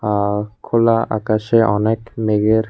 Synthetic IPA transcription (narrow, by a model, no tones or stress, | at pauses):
akʰolaʔa̰kaʃeʔɔnɛkmeɡeɾ